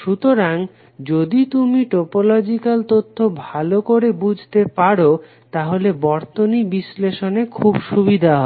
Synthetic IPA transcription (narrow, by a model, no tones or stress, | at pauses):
ʃut̪oɾaŋ | d͡ʑod̪it̪umiʈopolɔd͡ʑikalt̪ot̪ʰːobʱalokoɾebud͡ʑʱt̪epaɽo | t̪aɦolebɔɾt̪onibisleʃonekʰubʃubid̪ʱaɦɔ